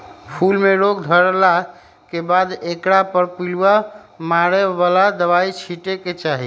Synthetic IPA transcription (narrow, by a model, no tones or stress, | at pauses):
pʰulmeɾoɡd̪ʱəɾla | kebad̪ekɽapəɾpiluwa | maɾebalad̪əβait͡ʃʰiʈeket͡ʃaɦi